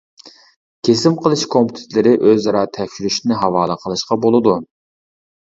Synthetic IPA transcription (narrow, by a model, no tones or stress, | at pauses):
kʲʰesɪmqʰəlˠɨʃkʰompʰut̪ʰɪ̥t̪lɪɾɪʔøzɑɾɑt̪ʰɛkʲʃyɾyʃinɪɦɑwɑːlˠəqʰəlˠɨʃqɑbolˠɨd̪u